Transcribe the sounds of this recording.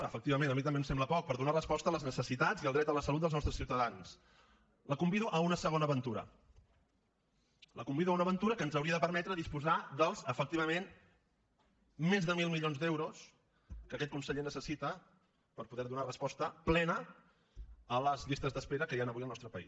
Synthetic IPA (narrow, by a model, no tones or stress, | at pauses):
əfək̚t̪iβəmenəmit̪əmbemsɛmbləpɔk̚pəɾðunarəspɔst̪ələznəsəsit̪aziəlˠd̪ɾɛt̪ələsəlut̪̚d̪əznɔst̪ɾəsiuwt̪əðans | ləkumbiðuʔəunəsəɣonəβənt̪uɾə̰ | ləkumbiðuəunəβənt̪uɾəkənzəwɾiəðəpəɾmɛt̪ɾəðispuzad̪əlˠzəfək̚t̪iβəmen | mezðəmilˠmilʎonzðɛwɾus | kəkɛt̪̚kunsəʎenəsəsit̪ə | pəɾpuðɛɾðunarəspɔst̪əplɛnə | ləzʎist̪əzðəspeɾəkəjanəβujəlˠnɔst̪ɾəpəḭs